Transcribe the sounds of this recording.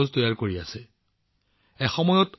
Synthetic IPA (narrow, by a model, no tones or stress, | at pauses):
oztojaɹkoɹiasɛ | ɛxɔmɔjɔt